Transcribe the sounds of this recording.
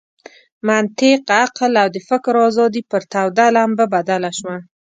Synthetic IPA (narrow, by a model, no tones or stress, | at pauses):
mant̪ɪqaqlawd̪əfɪkɾɑzɑd̪ipəɾt̪awd̪alambabad̪alaʃma